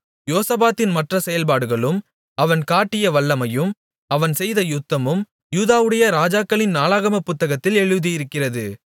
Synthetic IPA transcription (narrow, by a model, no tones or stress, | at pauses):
joːsɐbaːt̪ːɪnmɐʈrɐsɛjɐlpaːɽɯɣɐɭɯm | ɐʋɐnkaːʈːɪjɐʋɐɭːɐmɐjɯm | ɐʋɐnsɛjðɐjʊt̪ːɐmɯm | juːðaːʋɯɽɐjɐɾaːd͡ʒaːkːɐɭɪnnaːlaːɣɐmɐpːʊt̪ːɐɣɐt̪ːɪlɛɻɯðɪjɪɾɯkːɪrɐðɯ